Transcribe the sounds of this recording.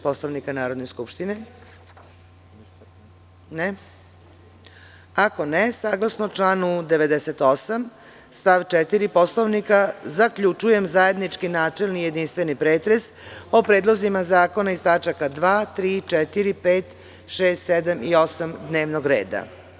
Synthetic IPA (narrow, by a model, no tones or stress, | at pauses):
poslˠoʋnikanaːɾo̞d̪neskupʃt̪ine | ne | ako̞nesaːɡlˠasnot͡ʂlaːnud̪eʋe̞d̪eset̪o̞sam | st̪aʋt͡ʃet̪iɾipo̞slˠoʋnikazakʎut͡ʂuje̞mzaje̞d̪nit͡ʂkinaːt͡ʂelnije̞d̪inst̪ʋenipɾeːt̪ɾe̞so̞pɾe̞ːd̪lˠo̞zimazaːko̞naist̪at͡ʃakad̪ʋaːt̪ɾiːt͡ʃɛt̪iɾipeːt̪ | ʃeːst̪sed̪amio̞samd̪ne̞ːʋnoɡɾeːd̪a̰